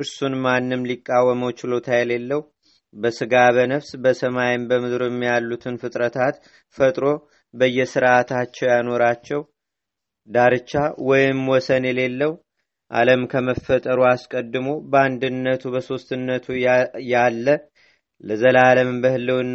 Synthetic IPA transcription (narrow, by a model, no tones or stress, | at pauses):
ʔɨɾsunmanːɨmlikʼːawːəməwt͡ʃɪlo̞t̪ʰajɛle̞lːəwu | bəsɨɡaβənəfsbəsəmajɪmbəmɨd̪ɾɛmːijalːut̪ʰɨnfɨt̪ʼɾət̪ʰat̪ | fət̪ʼɾo̞ | bəjːɛsɨɾʔat̪ʰat͡ʃːɛwjano̞ɾat͡ʃːɛw | d̪aɾɨt͡ʃːawɔjɪmwɔsənjɛle̞lːəwu | ʔa̰ləmkʰəməfːət̪ʼəɾuaskʼəd̪ːɨmo̞bəand̪ɨnːət̪ʰubəso̞st̪ɨnːət̪ʰujalːə | ləzəlaləmbəhɨlːəwn